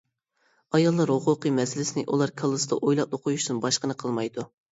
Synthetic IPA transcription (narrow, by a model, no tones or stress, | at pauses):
ɑjɑlˠːɑɾhʊqʊqɨmɛsɪlɪsɪnɪʔulˠɑɾkʰɑlˠːɨsɨd̪ɑ̰ʔojlˠɑp̚lˠʊqʰojuʃd̪unbɑʃqənɨqʰəlˠmɑjd̪u